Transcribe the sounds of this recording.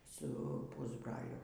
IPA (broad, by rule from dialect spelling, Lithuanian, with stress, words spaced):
ˈsʊ ˈpuːzbrɐlʲʊ